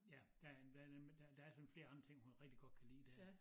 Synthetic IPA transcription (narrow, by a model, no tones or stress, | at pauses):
jæd̥æd̥ædemd̥æd̥ææɐsɒ̽n̩fle̝ːɐ̈nd̥ʁɐt͡sʰe̝ŋhunʁeɡ̥d̥iɡ̥ɒ̽d̥̚kʰælḭːd̥eɐ